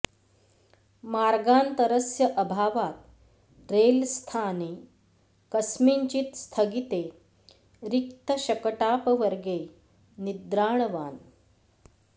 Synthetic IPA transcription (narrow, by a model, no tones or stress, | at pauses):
maɾɡaːnt̪əɾəsjəʔəbʱaːʋat̪̚ | ɾelst̪ʰane | kəsmiːɲt͡ɕiːt̪st̪ʰəɡit̪e | ɾikt̪əɕɐkəʈaːpʋəɾɡe | nid̪ɾaːɳʋaːn